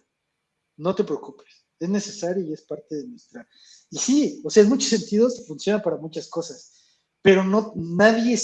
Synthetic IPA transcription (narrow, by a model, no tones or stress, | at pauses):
no̞t̪e̞pɾe̞okupe̥s | e̞zne̞se̞saɾjoie̞spaɾt̪e̞ðenwe̞st̪ɾa | isio̞seaezmut͡ʃo̞se̞nt̪iðo̞sfunsjo̞napaɾamut͡ʃasko̞sas | pe̞ɾo̞no̞naðje̞